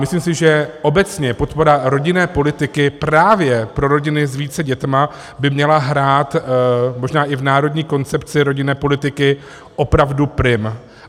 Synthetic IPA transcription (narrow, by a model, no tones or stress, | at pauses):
mɪsliːmsɪʒɛʔo̞bɛt͡sɲɛpo̞t̪po̞ɾaɾo̞ɟɪnɛːpo̞lɪt̪ɪkɪpɾaːvjɛpɾo̞ɾo̞ɟɪnɪzviːt͡sɛɟɛt̪ma | bɪmɲɛlaɦɾaːt̪mo̞ʒnaːʔɪvnaːɾo̞dɲiːko̞nt͡sɛpt͡sɪɾo̞ɟɪnɛːpo̞lɪt̪ɪkɪ | ʔo̞pɾavdupɾɪm